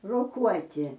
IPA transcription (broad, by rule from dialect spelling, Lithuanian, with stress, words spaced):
roːˈkuɔtʲɪ